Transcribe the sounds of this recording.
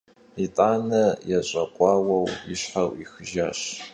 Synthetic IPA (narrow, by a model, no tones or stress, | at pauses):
itʼaːnɐjaɕʼɐqʷʼɑːwɐwiɕħawixɨʒaːɕ